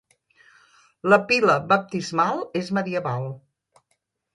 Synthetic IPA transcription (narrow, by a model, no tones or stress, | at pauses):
ləpiləβəp̚t̪izmalˠezməðiəβalˠ